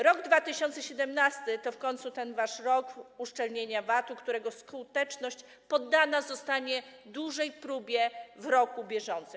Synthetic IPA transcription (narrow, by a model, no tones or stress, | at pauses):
ɾɔɡd̪vat̪ɘɕɔnt̪sɛɕɛd̪ɛmnast̪ɘt̪ɔfkɔɲnt̪sut̪ɛnvaʂɾɔkuʂt͡ʂɛlɲeɲavat̪ukt̪uɾɛɡɔskut̪ɛt͡ʂnɔɕt͡ɕ | pɔd̪ːanazɔst̪aɲɛd̪uʐɛjpɾubʲjɛvɾɔkubʲjɛʐɔnt̪sɘ